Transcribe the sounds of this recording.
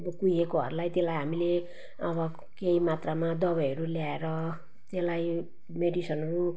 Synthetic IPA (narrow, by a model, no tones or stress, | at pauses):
kujekoɦʌ̰ɾulajt̪elajɦamile | ʌbʌ | keimat̪ramad̪ʌbʌjʌɾuljaeɾʌ | t̪elaj | meɖisʌnʌɾu